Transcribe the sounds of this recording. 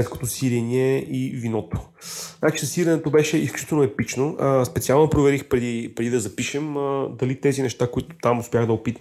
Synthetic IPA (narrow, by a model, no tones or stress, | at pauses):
ɛt̪sko̥t̪osiɾɛniɛivinɔt̪o̥ | nat͡ʃi̥sɐsiɾɐnɛt̪obɛʃɛisklʲu̥t͡ʃit̪ɛlnoɛpit͡ʃnospɛt̪sialˠnpɾovɛɾixpɾɛd̪ipɾɛd̪id̪ɐzɐpiʃɛməd̪ɐlit̪ɛzinɛʃt̪akoit̪ʊ̥t̪amʊspʲjaɣd̪ɐopit̪